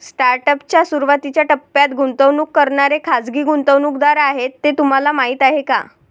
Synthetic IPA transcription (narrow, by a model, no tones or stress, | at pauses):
sʈaɾʈəpt͡ɕjasuɾʋat̪it͡ɕjaʈəpːjat̪ɡʱunt̪əʋnuːkːəɾɳaɾekʰad͡zɡiːɡunt̪əʋnukd̪aɾaɦet̪ːet̪um̤alamaɦiːt̪aɦeka̰